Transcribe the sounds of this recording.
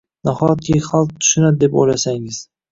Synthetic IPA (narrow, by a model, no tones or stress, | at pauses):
nahɒjat̪̚kʲiχalˠq̚t̪ʰʊ̥ʃʊnad̪̚d̪epo̰jlasaŋɪz̥